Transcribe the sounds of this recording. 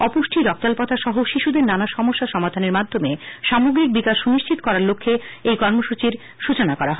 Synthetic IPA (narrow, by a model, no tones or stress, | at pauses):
ɔpoʃʈʰiɾɔk̚t̪alpɔt̪ʰaʃɔɦoʃiʃud̪eɾnanaʃɔmoʃːaʃɔmad̪ʱaneɾmad̪ʱːomeʃamoɡɾik̚bikaʃuniʃt͡ɕʰit̪okɔɾaɾlokʰːeejkɔɾmoʃut͡ɕiɾ | ʃut͡ɕonakɔɾaɦɔ